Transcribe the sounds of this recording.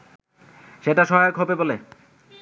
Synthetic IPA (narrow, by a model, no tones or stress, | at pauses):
ʃeʈaʃɔɦajoɡɦobebole